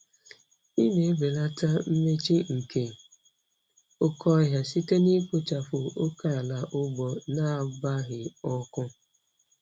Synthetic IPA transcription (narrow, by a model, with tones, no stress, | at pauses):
i˦ne˨e˦be˨la˦ta˦m̩˦me˦t͡ʃi˦ŋ̩˨ke˨ | ʊ˦kʰɔ˦ɦja˦si˦te˦ni˦ko˦t͡ʃa˨fʊ˨o˦ka˦a˨la˨ʔʊ˦bɔ˨na˦˨ba˦ɣɪ˨ɔ˦kʊ˦